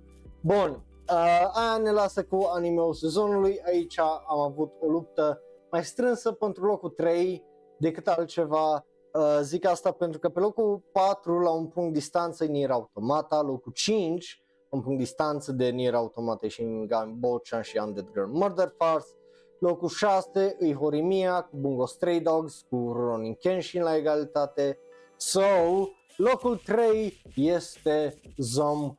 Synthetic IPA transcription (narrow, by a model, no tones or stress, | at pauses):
bun | əajane̞lasəkuanimeuse̞zo̞nulujait͡ʃʲaamavut̪ʰo̞lup̚t̪əmajst̪ɾɨnsəpent̪ɾulo̞kut̪ɾe̞j | d̪e̞kɨt̪alt̪̚t͡ʃe̞va | əzikast̪apent̪ɾukəpe̞lo̞kupat̪ɾulaunpuŋkt̪d̪ist̪ant̪səeniɾaut̪o̞mat̪alo̞kut͡ʃint͡ʃʲ | ɨnpuŋkt̪̚d̪ist̪ant̪səd̪e̞niɾaut̪o̞mat̪eʃiɡambot͡ʃanʃiand̪et̪ɡɾəlmərd̪ərfars | lokulʃase̞ʔɨjɦoɾimiakubuŋɡost̪ɾejd̪oɡskuroniŋkenʃinlaeɡalit̪at̪e̞ | saw | lo̞kult̪ɾejjest̪e̞zom